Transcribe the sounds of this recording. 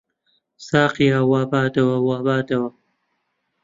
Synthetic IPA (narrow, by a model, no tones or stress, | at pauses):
saːqijaːwaːbaːd̪ɐwɐwaːbaːd̪ɐwɐ